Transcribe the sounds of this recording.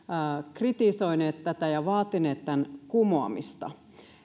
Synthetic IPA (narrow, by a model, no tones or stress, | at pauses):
krit̪isoineːt̪tæt̪æjɑʋɑːt̪ineːt̪t̪ːænkumoɑ̰mḭst̪ɑ̰